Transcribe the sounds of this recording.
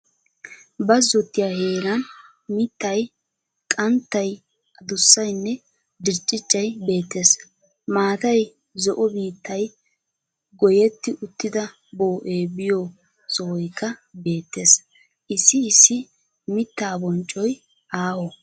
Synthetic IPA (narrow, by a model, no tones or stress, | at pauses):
bɐzːɔt̪ːɪjaheːlɐn | mɪt̪ːɐj | kʼɐnt̪ːɐj | ɐd̪ʊsːɐjnːɛ | d̪ɪɾt͡ʃʼːɪt͡ʃʼːɐjbe̞ːt̪ːe̞ːs | maːt̪ɐj | zɔʔɔbiːt̪ːɐj | ɡɔjɛt̪ːɪʔʊt̪ːɪd̪ɐ | bo̞ːʔeːbɪjo | sɔwɔjkːɐbe̞ːt̪ːe̞ːs | ʔɪsːɪɪsːɪ | mɪt̪ːaːbɔnt͡ʃʼːɔj | ʔaːhɔ